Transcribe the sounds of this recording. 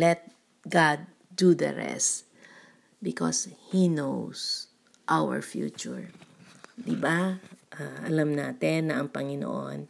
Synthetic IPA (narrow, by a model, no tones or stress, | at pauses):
lɛt̪̚ | ɡad̪̚ː | ud̪ɐ̰ɹɛ̰st | bɪkɔ̰shinows | ʔawɛ̰ɹfjṵːt͡ʃʊɹ | d̪ɪbaʔaʔɐlamnaːt̪ɛnːɐʔɐŋpɐŋɪno̰ʔo̰n